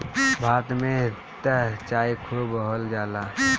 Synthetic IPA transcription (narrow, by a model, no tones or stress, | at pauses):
bʱaːt̪mẽ | t̪ət͡ʃaːikʰubəɦəld͡ʒaːla